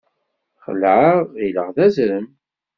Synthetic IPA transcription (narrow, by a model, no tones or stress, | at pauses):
χə̰lʕailə̰ʁðæzɾəm